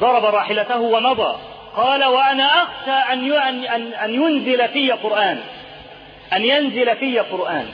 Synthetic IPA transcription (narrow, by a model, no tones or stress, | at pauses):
d̪ˤɑɾˤɑbɑɾˤɑːħɪlat̪ahʊwamɑd̪ˤɑ̰ː | qɑːlawaʔanaʔaxʃaːʔannʔanʔanjʊnzɪlafiːjaqʊɾʔaːn | ʔanjanzɪlafijaqʊɾˤʔaːn